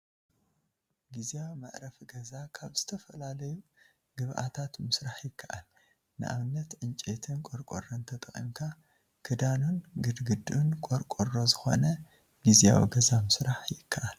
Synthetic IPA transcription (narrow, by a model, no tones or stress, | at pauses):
ɡiziawma̰ʔɾɐfɡɐzakʰaβz̥ɨt̪ʰɐfɐlalɐju | ɡ̥ɨβʔa̰t̪ʰat̪mɨsɾaħjɪkʰːɐʔal | nɨ̰ʔa̰βɨnːɐt̪ʕɨnt͡ʃʼet̪ʰɨnkʼoɾkʼo̰ront̪ʰɐt̪ʼɐxʼḭmkʰa | kʰɨd̪anunɡɨd̪ɡɨd̪unkʼoɾkʼorozɨxo̞̰nɐ | ɡizija̰w̰ɡɐzamɨsɾaħjɪkʰːɐʔal